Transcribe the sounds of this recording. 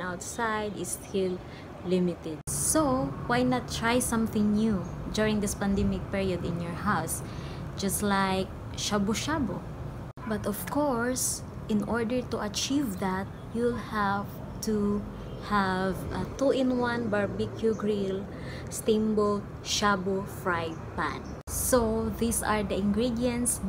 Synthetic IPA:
awt̪sajd̪ɪst̪ʰɪl | lɪmɪt̪ɛd̪̚sowajnat̪ːɹajsʌ̃mθɪ̃ŋnjud͡ʒuɹɪ̃ŋd̪ɪspãnd̪ɛmɪk̚piɹiɔd̪ɪ̃njɔɹhaʊs | d͡ʒast̪lajk̚ | ʃabʊʃabo | bɐt̪ɔv̥kʰɔɹs | ʔɪ̃nʔɔɹd̪əɹt̪uʔɐt͡ʃivðat̪̚julhæv | t̪ʰu | hævt̪uɪ̃nwãnbaɹbikʰjuɡɹil | st̪ĩmbolt̪ | ʃabofɹajd̪̚pã̰n | soðisa̰ɹd̪əʔɪ̃ŋɡɹid̪jɛ̃nt̪s

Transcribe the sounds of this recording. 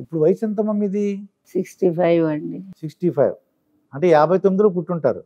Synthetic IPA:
ipːuɽuʋɐjisɐnt̪̬ɐmɐmːid̪i | siksʈipʰɐjʋɐɳɖisiksʈipʰɐ̰j̰ʋ | ɐɳʈe̞jaːbʱɐjt̪omːid̪ilo̞ːp̬uʈːuɳʈa̰ːɾṵ

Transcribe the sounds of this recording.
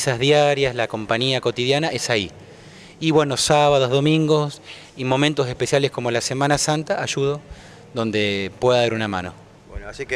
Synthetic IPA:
sazðjaɾjaslako̞mpaɲiako̞t̪iðjanaʔesai | iβwe̞nosaβaðo̞ɦðo̞mĩŋɡos | imo̞mẽnt̪os̬e̞hpe̞sjalesko̞mo̞lasemanasant̪aʔaʒuð̞o | ðo̞nd̪epwe̞ðaaɾunamã̰no̰ | sik

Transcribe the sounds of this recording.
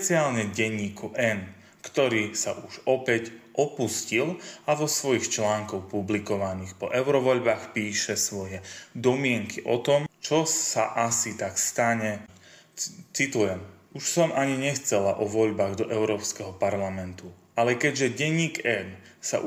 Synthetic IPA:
ɛt͡siaːlɲɛɟɛɲːiːkuʔɛn | kt̪ɔɾiːsaʔuʒɔpɛcʔɔpuscilaʋɔsʋɔjixt͡ʃlaːŋkɔxpublikɔʋaniːxpɔʔɛʊɾɔʋɔʎbaːxpiːʃɛsʋɔjɛd̪ɔmɪɛŋkʰiʔɔ̰t̪ɔmt͡ʃɔsaʔasit̪akst̪aɲɛ | t͡sit̪ujɛm | uʃsɔmaɲiɲɛxt͡sɛlaʔɔʋɔʎbaːɣd̪ɔʔɛʊɾɔːpskɛɦɔpaɾlamɛnt̪uʔalɛkɛɟʒɛɟɛɲːiːkɛn | sa̰

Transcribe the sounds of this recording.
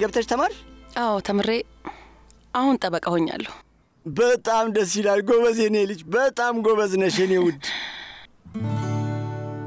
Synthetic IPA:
ɡəβt̪ʰət͡ʃt̪ʰəmaɾʔawt̪ʰəmɨɾe | ʔahunt̪ʼəβəkʼahoɲːa̰lːəhu | bət̪ʼamd̪əs̬ilalɡoβəzenelɨt͡ʃːbət̪ʼamɡoβəznəʃenewʊd̪

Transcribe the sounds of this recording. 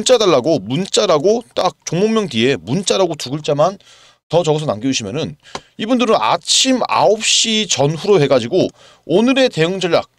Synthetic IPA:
nt͡ɕ͈adaɭːaɡomunt͡ɕ͈aɾaɡot͈ak̚t͡ɕ͈oŋmoŋmjʌŋdie̞munt͡ɕ͈aɾaɡotuɡɯɭt͡ɕ͈aman | tʌt͡ɕʌɡʌsʰʌnaŋɡiuɕʰimjʌnɯnibundɯɾɯna̰t͡ɕʰima̰op̚ɕ͈it͡ɕʌnɸuɾohe̞ɡad͡ʑiɡo | onɯɾe̞te̞ɯŋd͡ʑʌʎja̰k̚

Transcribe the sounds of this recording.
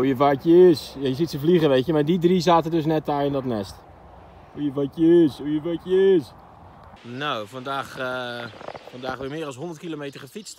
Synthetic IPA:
ujəʋɔtjəɪsjəsitsəvliɣəʋeːkjəmadidrisaːtədøs̬nɛtajɪndɔtnɛst | ujəʋɔtjəɪsujəʋɔtjəɪs | noːfɔndaːx | fɔndaːxʋɪmɪːɾɔlˠshondərt̚kilomejtərxəfit͡st

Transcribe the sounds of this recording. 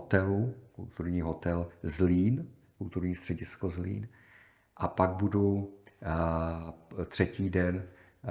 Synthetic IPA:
ɦot̪ɛlukṵlt̪uɾɲiːɦot̪ɛlzliːn | kult̪uɾɲiːst̪r̝̥ɛɟɪskozlḭːn | ʔapaɡ̚budu | t̪r̝̥ɛciːdɛn

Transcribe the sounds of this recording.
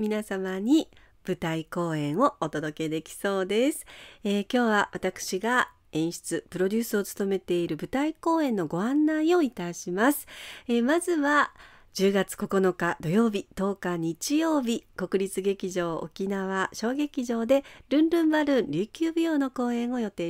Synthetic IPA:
mʲinasamaɲ̟i | b̥ɯ̟t̪aiko̞ːẽ̞ɰ̃o̞ːt̪o̞d̪o̞ke̞d̪e̞kʲi̥so̞ːd̪e̞sɨ̥ekʲo̞ːβaβat̪akɯ̟̥ɕiɡa | ẽ̞ɰ̃ɕi̥t͡sɨpɯ̟ɾo̞dʲɨːsɨo̞t͡sɨ̥t̪o̞me̞t̪e̞iɾɯ̟bɯ̟t̪aiko̞ːẽ̞nːo̞ɡo̞ãnːaio̞it̪aɕimasɨ̥emazɨβa | d͡ʑɨːɡat͡sɨ̥ko̞ko̞no̞kad̪o̞jo̞ːbʲit̪o̞ːkaɲ̟it͡ɕijo̞ːbʲiko̞kɯ̟ɾʲit͡sɨɡe̞kʲiʑo̞ːo̰kʲinaβ̞aɕo̞ːɡe̞kʲiʑo̞ːd̪e̞ɾɯ̟̃nɾɯ̟̃mbaɾɯ̟̃nɾʲɨːkʲɨːbʲijo̞ːno̞ko̞ːẽ̞ɰ̃o̞jo̞t̪e̞ː

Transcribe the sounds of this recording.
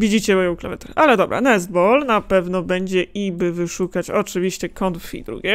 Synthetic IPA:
vʲid͡ʑit͡ɕɛmɔjɔ̃w̃kla̰vɛt̪ɛ̰ʔalɛd̪ɔbɾa̰nɛzbɔlnapɛvnɔbɛɲd͡ʑɛibɘvɘʂukat͡ɕɔt͡ʂɘvʲiɕt͡ɕɛkɔnt̪ffʲḭd̪ɾṵɡʲjɛ

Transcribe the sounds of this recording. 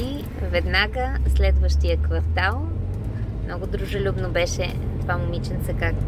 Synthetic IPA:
i | vɛd̪naɡəslɛd̪vəʃt̪ijəkvɐɾt̪alˠ | mnɔɡʊd̪ɾuʒolʲubnobɛʃɛ̰ | pamʊmit͡ʃɛnsɛkak

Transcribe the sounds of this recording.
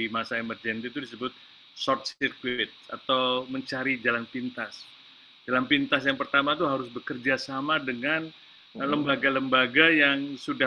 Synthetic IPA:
imasaemərd͡ʒɛnt̪it̪udisəbʊt̪̚ | sɔrt̪̚sirkwiɪt̪̚a̰t̪awməɲt͡ʃaɾid͡ʒalanpint̪as | d͡ʒalanpint̪asjaŋpərt̪amat̪uɦaɾʊsbəkərd͡ʒasamadəŋan | ləmbaɡaləmbaɡajaŋsuda

